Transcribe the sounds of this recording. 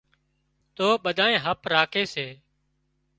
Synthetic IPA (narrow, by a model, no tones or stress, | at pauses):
t̪oːɓəd̪ʱaːẽːɦəpɾaːkʰeːseː